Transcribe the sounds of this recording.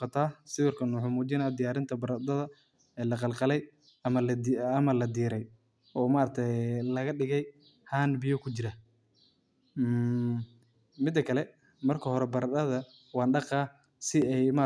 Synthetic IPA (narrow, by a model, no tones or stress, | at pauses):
ɑt̪ʰaːsɪwɪrkʰɐnʊħʊmuːt͡ʃɪnaːd̪ɪjaːɾɪnt̪ʰɐbɐɾɐd̪ɐðɐ | ɛːlɐqɑlqɑlɛj | ɐmɐlɐmɐlɐd̪iːɾɛj | ʔɔːmaːɾɐt̪ʰɛlɐɣɐɖɪɣɛj | haːnbɪjɔkʰʊt͡ʃɪɾɐ | mɪd̪ːɐkʰɐlɛ | mɐrkʰɐhɔɾɛbɐɾɐd̪ɐðɐ | wɑːnɖɑqɑː | sɪɛjma